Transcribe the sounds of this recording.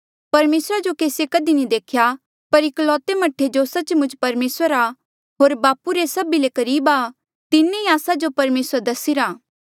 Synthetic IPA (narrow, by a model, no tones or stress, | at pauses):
pɐɾmeːsɾad͡ʒokeːsjekɐd̪inĩd̪eːkʰja | pɐɾɪklɔːt̪emɐʈʰed͡ʒosɐt͡ʃmʊ̃nd͡ʒpɐɾmeːsəɾa | ɦoːɾbaːpuɾesɐbilekɐɾiːba | t̪ɪnːeiaːsad͡ʒopɐɾmeːsəɾd̪ɐsiɾaː